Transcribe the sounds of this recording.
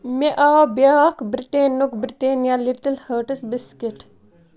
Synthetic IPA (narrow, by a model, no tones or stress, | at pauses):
meʔabaɐkbɾiʈeːnukbɾiʈeːnjaliʈəlhəːʈəsbiskiʈ